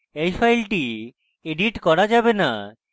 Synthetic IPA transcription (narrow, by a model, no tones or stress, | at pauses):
ejfajlʈi | eɖiʈkɔɾad͡ʑabena̰